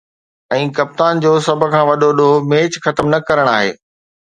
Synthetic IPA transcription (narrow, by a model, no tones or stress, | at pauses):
ɛ̃ːkɐp̚t̪aːnd͡ʑoːsɐbʱʊ̆kʰãːʋɐɗoɗomeːt͡ɕxɐt̪əmnɐkɐɾəɽ̃aːɦḛː